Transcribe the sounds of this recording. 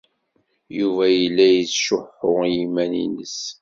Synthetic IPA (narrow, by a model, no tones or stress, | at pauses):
juvæjəlːæjət͡sʃʊħʊʁjimænḭnəs